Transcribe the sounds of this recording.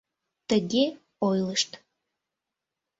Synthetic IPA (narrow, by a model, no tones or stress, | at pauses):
t̪əɡʲe | ojlˠəʃt̪